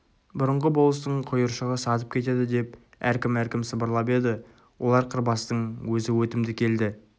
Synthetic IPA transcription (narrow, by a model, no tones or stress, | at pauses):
bʊɾəɴʁəbo̞lˠəst̪əɴqʰʊjəɾʃəʁəsɑt̪əp̚kʲet̪e̞d̪ɪd̪e̞p̚ | æɾkʲɪmæɾkʲɪmsəbəɾlˠɑpe̞d̪ɪ | wʔo̞lˠɑɾqʰəɾbɑst̪əɴwɵzɪwɵt̪ɪmd̪ɪkʲʰe̞ld̪ɪ